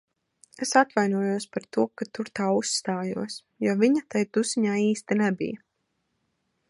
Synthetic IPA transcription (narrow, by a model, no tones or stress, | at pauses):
esat̪vajnuɔjuɔspaɾt̪uɔkat̪uɾt̪aːusːt̪aːjuɔs | juviɲat̪ajd̪̥usiɲaːiːst̪inɛbḭjɐ